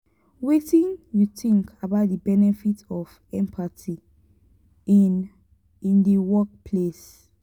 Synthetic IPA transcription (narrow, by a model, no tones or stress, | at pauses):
wetĩnjutĩŋkabaʊt̚dəbɛnɛfitɔf | ɛ̃mpʰatʰi | ĩndiwɔk̚pʰles